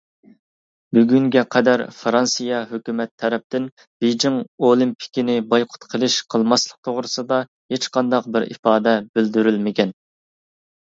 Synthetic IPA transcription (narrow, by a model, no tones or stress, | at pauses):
byɡʲyŋɡʲɛqʰɛd̪æɾfɾɑnsɨjɑɦøkʲymɛt̪ʰːɛɾɛp̚t̪ɪn | bejd͡ʒiŋolˠimpʰi̥kʲinɪbɑjqʰʊ̥t̪qʰəlˠɨʃqʰəlˠmɑslˠəq̚t̪ʰoʁɾɨsɨd̪ɑ | het͡ʃqɑnd̪ɑq̚bɪɾḭfɑːd̪ɛbyld̪yɾylmɪkʲɛn